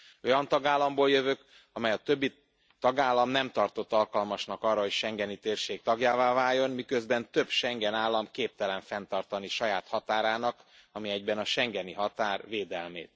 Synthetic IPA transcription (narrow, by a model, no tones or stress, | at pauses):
o̞jɒnt̪ɒɡaːlːɒmboːljøvøk | ɒmɛjɒt̪øbːi | t̪ɒɡaːlːɒmnɛmt̪ɒrt̪o̞t̪ːɒlkɒlmɒʃnɒkɒrːɒɦo̞cʃɛŋɡɛnit̪eːrʃeːk̚t̪ɒɡjaːvaːvaːjo̞nmikø̞zbɛnt̪øbʃɛŋɡɛnaːlːɒmkeːp̚t̪ɛlɛɱfɛn̪t̪ɒrt̪ɒniʃɒjaːt̪hɒt̪aːɾaːnɒk | ɒmiɛɟbɛnɒʃɛŋɡɛniɦɒt̪aːrveːd̪ɛlmḛːt̪̚